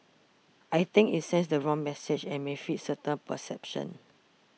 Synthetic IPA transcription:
ʔajt̪ɪ̃ŋkitsɛ̃ns̬dəɹɔ̃ŋmɛsɪd͡ʒɛ̃nmefit̚sətə̃npə̰sɛpʃə̰̃n

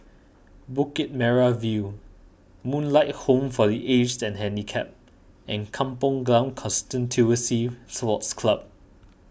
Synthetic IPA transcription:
bukɛt̚mɛɹavu | mũnlaɪt̚hõmfɔdiʔed͡ʒtɛ̃nɦɛ̃ndikʰɛp̚ | ʔɛ̃nkʰãmpɔ̃ŋɡãmkʰɔ̃nstə̃ntʰuəsisɔtskʰlab̚

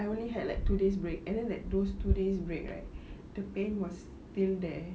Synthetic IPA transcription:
ajõnliɦɛdlaɪk̚tudes̬bɹekɛ̃ndɛ̃nlɛk̚dostudes̬bɹek̚la̰ɪk̚d̥əpẽnwɔs | tildɛ

